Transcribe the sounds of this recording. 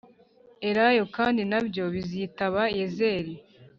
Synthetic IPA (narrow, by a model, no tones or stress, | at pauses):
e̞ɾajo̞kaːndinabjo̞βizitaβaeze̞ːɾi